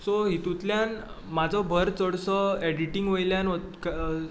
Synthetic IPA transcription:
sɔɦit̪ut̪ljan | mad͡zʱɔbʱəɾt͡səɽsɔɛɽiʈiŋɡʋojljanɔk

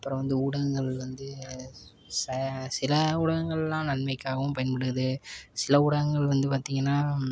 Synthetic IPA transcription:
ɐpːɯɾɐ̃ʋɐnd̪ɯʊɽɐɣɯŋɡɐɭʋɐnd̪ɯ | sɐsɪlɐʊɽɐɣɯŋɡɐɭɛlːãːnɐɳmɐɪkːaːɣɐʋɯ̃mpɐjɐnpɐɽɯɣɐðɯsɪlɐʊɽɐɣɯŋɡɐɭʋɐnd̪ɯpaːɾt̪iːŋɡɐnːaː

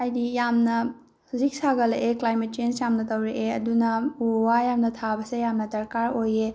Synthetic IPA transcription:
ajdijamnɐ | huzik̚saɡɐleʔeklajmet̚t͡ʃensjamnɐtɐwɾeʔeɐdunɐuwajamnɐtʰabɐsejamnɐtɐɾkaɾoje

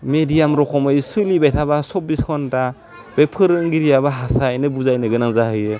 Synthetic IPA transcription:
medijamɾɔkʰɔmɯjsɯlibajtʰabasɔp̚biskʰɔnda | b̥epʰɯɾɯɯŋɡiɾijabaɦasajnɯbuzajnɯɡɯnaŋzahɯjɯ

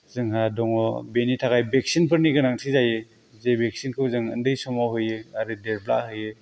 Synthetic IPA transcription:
zɯŋɦadɔŋɔbenitʰaɡajbek̚sinpʰɯɾniɡɯnaŋtʰizajɯ | zebek̚sinkʰɯwzɯŋɯ̰ndɯjsɔmawɦɯjɯaɾɯdeɾpla̰ʔɦɯjɯ

